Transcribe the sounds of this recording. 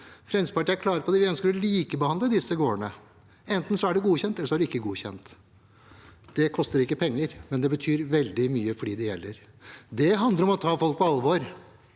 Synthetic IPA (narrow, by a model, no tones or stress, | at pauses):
fɾɛspɑʈiæɾklɑːɾəɾpɔd̪ɛʋɪœnskəɾɔliːkəbəhɑnd̪ləd̪ɪsːəɡoːəɳə̰ | ɛnt̪n̩sɔæɖʉɡuːçɛnt̪ɛlːəʂɔæɖʉɪkːəɡuːçɛ̰nt̪ | d̪̥ɛkʰɔst̪əɾɪkːəpʰɛŋːəɾmɛnd̪ɛbət̪ʰyːɾʋɛld̪ɪmyːəfɔɖiːd̪ɛjɛlːəɾ | d̪ɛɦɑnd̪əɾɔmɔt̪ʰɑːfɔlk̚pɔɑlʋɔɾ